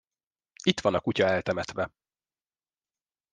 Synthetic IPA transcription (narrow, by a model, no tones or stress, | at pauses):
it̪ʋɒnɒkucɒɛlt̪ɛmɛt̪ʋɛ